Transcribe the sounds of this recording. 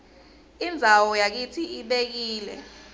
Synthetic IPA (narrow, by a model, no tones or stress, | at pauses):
ind͡zʱawɔjak̬itʰiiɓek̬iːlɛ̰